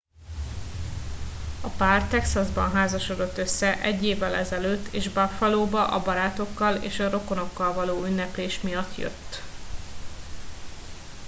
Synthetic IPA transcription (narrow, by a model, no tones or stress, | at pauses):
ɒpaːrt̪ɛksɒzbɒ̰nɦaːzɒʃo̞d̪o̞t̪ːø̞sːɛʔɛɟːeːvːɛlʔɛzɛløːt̪ːeːʒbɒfɒloːbɒʔɒbɒɾaːt̪o̞kːɒlḛːʃɒɾo̞ko̞no̞kːɒlvɒloːynːɛpeːʃmijɒt̪ːjø̰t̪ː